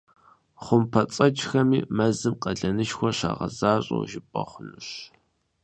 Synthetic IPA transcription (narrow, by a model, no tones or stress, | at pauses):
χʷʊmpʰɐt͡sʼɐt͡ʃʼxɐmiːmɐzɨmqɐɮɐnɨʃxʷɔɕa̰ːʁɐ̰zaːɕʼo̰wʒɪpʼɐχʷʊnuɕ